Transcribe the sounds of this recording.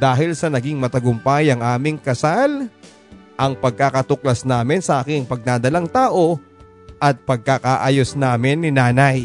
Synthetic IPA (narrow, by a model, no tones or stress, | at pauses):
d̪̥aːɦɪlsɐnɐɡɪŋmɐt̪ɐɡʊmpajɐŋʔaːmɪŋkɐsal | ʔɐŋpɐɡ̚kaːkɐt̪ʊklɐsnaːmɪnsɐʔaːkɪŋpɐɡ̚nad̪ɐlaŋt̪aːʔo̞ | ʔɐt̪̚pɐɡ̚kakaʔaːjosnaːmɪnːɪnaːnɐj